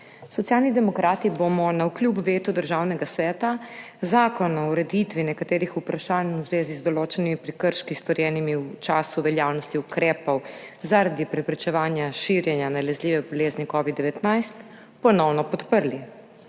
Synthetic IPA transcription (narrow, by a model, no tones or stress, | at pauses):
sɔt̪sjalnid̪ɛmɔkɾaːt̪ibomɔnawkljuːpʋeːt̪ud̪əɾʒaːwnɛɡasʋɛːt̪a | zaːkɔnɔwɾɛd̪it̪ʋinɛkat̪eːɾixupɾaʃaːnwzʋeːzizd̪ɔloːt͡ʃɛnimipɾɛkəɾʃkist̪ɔɾjɛːnimiwt͡ʃaːsuʋɛljaːwnɔst̪iukɾɛːpɔwzaɾad̪ipɾɛpɾɛt͡ʃɛʋaːnjaʃiɾjɛnjanalɛzliːʋɛbɔleːznikɔʋid̪d̪ɛʋɛt̪najst̪ | pɔnɔwnɔpɔt̪pəɾli